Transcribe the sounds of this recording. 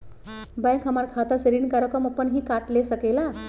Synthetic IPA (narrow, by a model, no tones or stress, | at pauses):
bãjkʰɦəmaɾkʰat̪aseɾiːnkaɾəkamapəɳɦiːkaʈlesəkela